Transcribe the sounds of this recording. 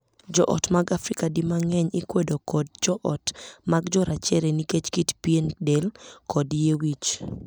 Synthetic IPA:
d͡ʒɔ̰ʔɔ̰tmaɡafɾikadimaŋɛɲikwedokɔd̚d͡ʒɔʔɔtmaɡd͡ʒɔɾʔat͡ʃɛɾeniket͡ʃkitpiendelkʰɔdjewit͡ʃ

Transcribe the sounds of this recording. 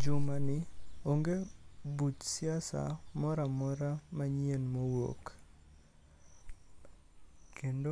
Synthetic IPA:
d͡ʒʊmanɪoŋɡebut͡ʃsɪasa̰mɔɾamɔɾamaɲenmowo̰k | kendo

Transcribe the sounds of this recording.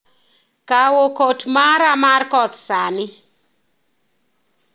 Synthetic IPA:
kawokotmaɾamarkɔt̪sanɪ

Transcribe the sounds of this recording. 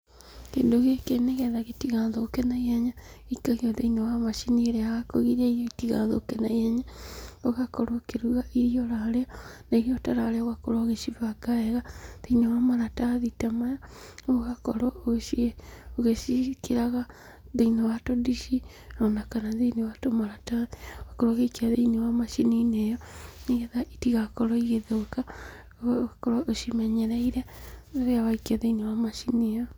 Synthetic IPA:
kḛːndoɣekeneɣɛðaɣetiɣaðoːkɛnaiaɲa | ikaɣeɔðeinawamaʃinieɾɛaɣakɔɣiɾaijɔitiɣaðɔokɛnaiaɲaoɣakɔɾokeɾuɣaʔijɔɾaɾeɔnaiɾiɔtaɾaɾeoɣakoɾowaɣeʃiβaɡaɛɣaðeinawamaɾataðitamaja | oɣakɔɾɔoɣe | oɣeʃikiɾaɣa | ðeinewatodiʃi | nɔnakanaðenewatomaɾataðioɣakɔɾoɣeikiaðeinewamaʃininejɔniɣeðaʔitiɣakɔɾɔiɣeðoka | ɣakɔɾaʔoʃimaɲɛɾaiɾaaɣeawaikiaðeinewamaʃinijɔ

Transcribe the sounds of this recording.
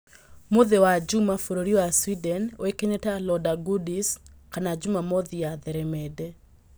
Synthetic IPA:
moðewad͡ʒumafoɾoɾiwaswidɛnwekeɲɛtalɔdaɡudiskanad͡ʒumamoðiaðɛɾɛmɛdɛ

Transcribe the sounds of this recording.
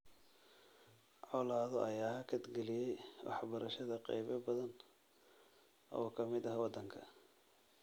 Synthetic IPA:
ʕɔlaːðɔɐjaːɦɐkʰɐd̪ɡɛlɪjɛjwɑ̰ħbɐɾɐʃɐðɐqɑ̰jβɐbɐðɐn | ʔɔːkʰɐmɪd̪ɐɦwɑd̪ːɐŋkʰɐ

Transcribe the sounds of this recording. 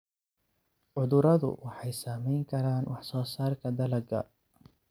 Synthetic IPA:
ʕʊðʊɾɐðʊ̰wʔɑħɑjsaːmɛjŋkʰɐɾaːnwɑħsɔːsaːrkʰɐd̪ɐlɐɡɐ̰

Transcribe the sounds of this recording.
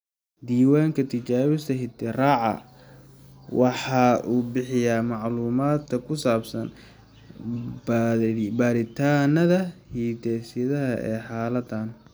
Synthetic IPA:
d̪iːwaːŋkʰɐt̪ʰɪt͡ʃaːɾɪst̪ʰɐɦɪd̪ɪraːʕɑ̰ | wɑħɑːʔuːbɪħɪjaːmɑʕluːmaːd̪kʰɐkʰʊsaːbsɐn | bɐɾɪt̪ʰaːnɐðɐhiːd̪ɛːsɪðɐɦɐ̰ʔɛ̰ːħɑːlɐd̪an

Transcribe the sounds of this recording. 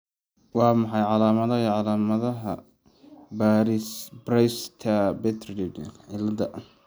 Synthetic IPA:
wɑːmɑħɑjʕɑlaːmɐðɐiʕɑlaːmɐðɐɦɐ̰ | baːɾɪsbɾɛjst̪ʰɐbɛt̪ʰrdidɪlɐd̪ɐ

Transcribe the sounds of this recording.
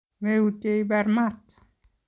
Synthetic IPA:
meuteibɛɾmat̪

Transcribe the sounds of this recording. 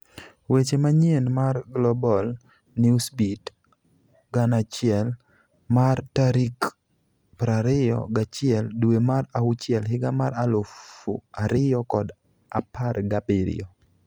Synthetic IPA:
wet͡ʃemaɲenmarɡlɔbɔl | niusbit | ɡanat͡ʃɪɛl | martaɾik | pɾaɾɪjɔ̰ɡat͡ʃɪɛldwemaɾaʊt͡ʃɪɛlɦɪɡamaɾalʊfṵaɾɪjɔkɔd | aparɡapiɾɪ̰ɔ

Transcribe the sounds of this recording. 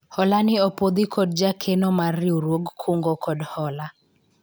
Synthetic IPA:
hɔlanɪɔpod̪ikʰɔd̚d͡ʒakʰɛnɔmariuɾwoɡkʰuŋɡɔkɔdhɔla

